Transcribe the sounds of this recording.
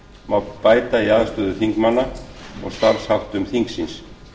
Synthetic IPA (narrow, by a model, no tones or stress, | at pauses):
mawpaːjt̪aiaðst̪œːðʏθiŋkmanːaɔ̰ɣst̪aɾshawht̪ʏmθiŋksins